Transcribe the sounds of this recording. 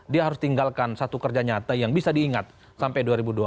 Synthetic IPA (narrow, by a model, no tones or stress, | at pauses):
diaɦaɾʊst̪iŋɡalkansat̪ukərd͡ʒaɲat̪ajaŋbisadiːŋat̪̚ | sampajduaɾibudua